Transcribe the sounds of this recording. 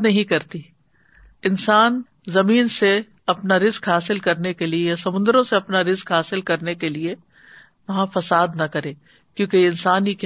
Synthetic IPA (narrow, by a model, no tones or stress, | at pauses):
nɐɦĩkɐɾt̪i | ɪnsaːn | zɐmiːnse | ɐpnaɾɪzkɦaːsɪlkɐɾnekeliejasɐmʊ̃nd̪ɾõseɐpnaɾɪzkɦaːsɪlkɐɾnekelie | ʋɐɦãfɐsaːd̪nɐkɐɾẽː | kjõːkeɪ̃nsaːnik